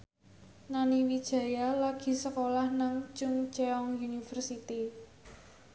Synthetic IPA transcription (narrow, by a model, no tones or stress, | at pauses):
naniwid̥ʒ̥ä̤jalaɡ̥i̤səkolahnaŋt͡ʃʊŋt͡ʃeɔŋjunifərsit̪i